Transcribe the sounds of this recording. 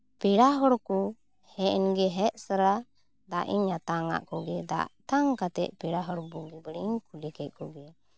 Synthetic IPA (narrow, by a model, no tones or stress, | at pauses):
piɽaɦɔɾkɔ | hɛʔnɡɛɦɛʔsəɾa | d̪aʔiɲat̪aŋa̰ʔkɔɡɛd̪a̰ʔt̪aŋkat̪ɛ̰ʔ̚piɽaɦɔɾbuɡibəɽiɲkʰulikɛt̪̚ˀkɔɡɛ